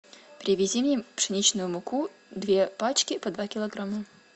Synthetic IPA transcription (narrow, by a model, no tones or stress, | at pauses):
pɾʲɪvʲɪzʲimnʲepʂɨnʲit͡ɕnʊjʊmʊku | d̪vʲepat͡ɕkʲɪpɐd̪vakʲɪlˠɐɡɾamə